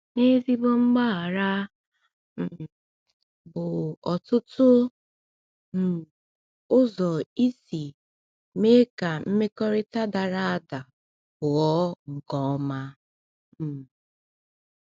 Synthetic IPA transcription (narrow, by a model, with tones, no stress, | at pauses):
ne˦vi˦bʊ˦ŋ͡m̩˦ɡ͡ba˦a˨ɾa˦ | m̩˨ | bʊ˨ɔ˨tʊ˦tʊ˦ | m̩˨ | ʊ˦zɔ˨i˦si˨ | me˦ka˨m̩˦me˦kɔ˦ɾɪ˦ta˦da˨ɾa˦a˦da˨ | bʊ˨ɔ˦ŋ̩˨ɡɔ˦ma˦˨